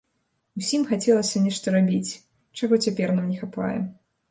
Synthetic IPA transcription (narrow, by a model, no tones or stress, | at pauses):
usʲimxat͡sʲɛlˠɐsʲɐnʲɛʂt̪ɐɾabʲit͡sʲ | t͡ʂaɣɔt͡sʲapʲɛrnamnʲɛxapa̰jɛ̰